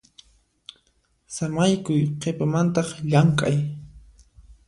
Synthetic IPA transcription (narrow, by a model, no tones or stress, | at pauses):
samajkʊjqʰepamant̪ɑχʎaŋkʼaj